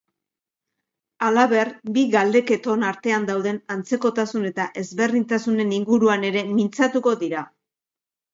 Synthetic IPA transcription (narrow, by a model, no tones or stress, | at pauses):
alaβe̞rbiɣald̪e̞ke̞t̪o̞naɾt̪e̞and̪awð̞e̞nant͡se̞ko̞t̪asune̞t̪aʔe̞zβe̞rðint̪asune̞niŋɡuɾuane̞ɾe̞mint͡sat̪uko̞ðiɾa